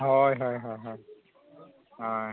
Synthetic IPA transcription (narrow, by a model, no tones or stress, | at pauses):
ɦɔjɦɔjɦɔjɦɔj | a